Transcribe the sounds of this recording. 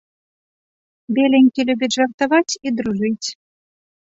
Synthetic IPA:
bʲelʲenʲkelʲɘbʲeʒɑrt̪ɑβɑtʲid̪ruʒɨtʲ

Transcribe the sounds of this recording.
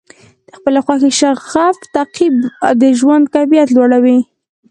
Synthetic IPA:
d̪̥əxpəlaxwaxeʃaɣaft̪aqibd̪əʒwand̪̚kafijat̪lwaɽawi

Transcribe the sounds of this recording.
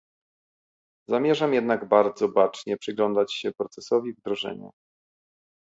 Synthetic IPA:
zamʲjɛʐamjɛd̪naɡbaɾd̪zɔbat͡ʂɲɛpʂɘɡlɔnd̪at͡ɕɕɛpɾɔt̪sɛsɔvʲivd̪ɾɔʐɛ̰ɲṵ

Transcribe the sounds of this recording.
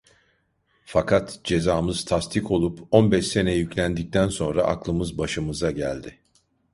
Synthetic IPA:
fakʰat̪d͡ʒe̞zaːmɯz̥t̪ʰast̪ʰikʰo̞lˠupo̞nbɛʃse̞nɛjyclʲænd̪ic̚t̪ʰænso̞nɾa̰ʔa̰klˠɯmɯzbaʃɯmɯzaɟæ̰lʲd̪ɪ

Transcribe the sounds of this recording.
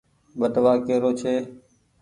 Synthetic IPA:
ɓəʈʋaːkeːɾoːt͡ʃʰeː

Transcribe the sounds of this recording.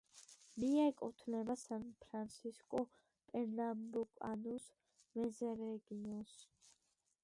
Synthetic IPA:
miɛkʼɔt̪ʰnɛbasanpʰɾant̪sʰiskʼɔ | pʼɛɾnambukʼa̰nus | mɛzɛɾɛɡiɔns

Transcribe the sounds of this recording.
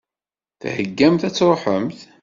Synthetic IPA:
θhəɡːæmθæt͡sːɾˤoħəmθ

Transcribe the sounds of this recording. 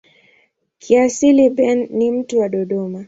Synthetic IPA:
kʰiasiliɓɛnːim̩tuwaɗɔɗɔma

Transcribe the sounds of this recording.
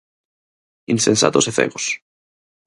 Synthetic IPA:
insensa̰t̪oseθḛɣos

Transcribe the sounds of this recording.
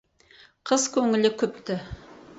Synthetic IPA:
qʰəzkʰʲɵŋɪlɪkʲʰʏp̚t̪ɪ

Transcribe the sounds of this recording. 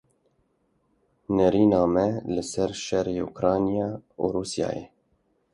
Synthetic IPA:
nɛɾiːnɑːmɛlɨsɛɾʃɛɾeːṵkɾɑːnijɑːṵɾuːsjɑ̰ːjḛː

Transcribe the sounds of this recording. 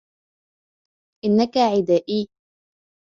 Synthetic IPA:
ʔɪnːakaʕɪd̪aːʔiː

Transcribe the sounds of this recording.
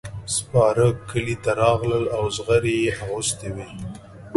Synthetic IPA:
spɑɾəkːəlit̪aɾɑɣləlawzɣəɾejeʔaɣʊst̪iwi

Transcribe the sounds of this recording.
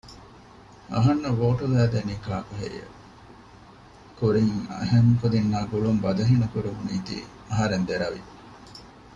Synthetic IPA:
ɐ̰ɦɐnːuʋoːʈulæːd̪eniːkaːkuɦḛɾḭjḛ | kuɾiŋɐ̰ɦemkud̪inːaːɡuɭumbɐd̪ɐɦinɐkuɾemuniːt̪ḭː | ɐɦɐɾend̪eɾɐʋḭ

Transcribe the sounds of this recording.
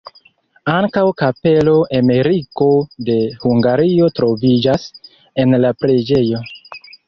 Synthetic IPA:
aŋkawkape̞lo̞ʔame̞ɾiko̞de̞huŋɡaɾio̞tɾo̞vid͡ʒas | e̞nlapɾe̞d͡ʒe̞jo̞

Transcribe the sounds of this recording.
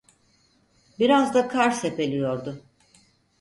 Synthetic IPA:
biɾazd̪akʰaɾse̞pe̞lʲijo̞ɾd̪ʊ

